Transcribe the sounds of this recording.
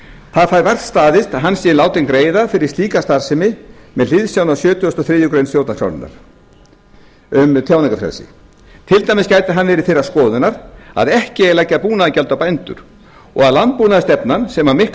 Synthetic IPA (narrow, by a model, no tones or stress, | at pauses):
θaðfaːjɾvɛr̥t̪st̪aːðɪst̪aɦanːsɪɪnaːwt̪ɪŋkɾeːjðafɪɾɪ̥st̪iːkast̪aɾ̥sɪmɪmɛðl̥ɪðsjawnawsjœːt̪ʏɔst̪ɔθɾɪːjʏkɾejnsθjowt̪nakʰɾa̰wnɪ̰na̰ɾ̥ | ʏmt̪ʰjawnɪŋkafɾɛ̰lsɪ̰ | t̪ʰɪlt̪ajmɪscaːjt̪ɪɦanːvɛːɾɪθejraskɔːðʏnaɾa̰ðɛhcɪɛlajcːapuːnaðcɛlt̪awpajnt̪ʏ̰ɾ̥ | ɔ̰ɣaðlant̪̚puːnaðɪst̪ɛpnansɛmamɪhk